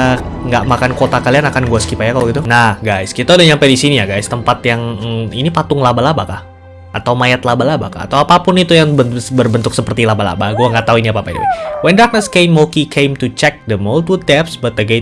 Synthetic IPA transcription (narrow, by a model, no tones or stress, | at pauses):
ŋɡaʔmakankot̪akalianakanɡuasə̥kipajakaloɡit̪unahɡajskit̪audahɲampajdisinijaɡajst̪əmpat̪jaŋinipat̪ʊŋlabalabakah | at̪awmajat̪labalaba̰ka̰a̰t̪awapapʊnit̪ujaŋbənbərbənt̪ʊksəpərt̪ilabala̰baɡuaŋɡaʔt̪aɦuiniapaːpad̰ḭwɛndak̚nəskejmːokikʰejmt̪ut͡ʃɛk̚dəmolt̪wʊd̚dɛpsbat̪əɡe